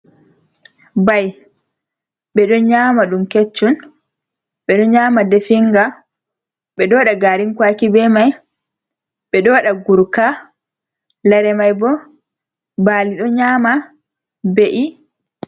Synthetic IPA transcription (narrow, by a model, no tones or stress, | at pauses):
baj | ɓɛɗɔɲaːmaɗumket͡ʃːun | ɓɛɗɔɲaːmadɛfiŋɡa | ɓɛɗɔɗaɡaɾinkwakibɛmaj | ɓɛɗɔwaɗaɡuɾka | laɾɛmajbɔ | baliɗɔɲaːma | beʔi